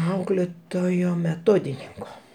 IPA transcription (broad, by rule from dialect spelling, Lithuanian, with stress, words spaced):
ˈɐʊklʲeːtoːjoː mʲɛˈtoːdʲɪnʲɪŋkoː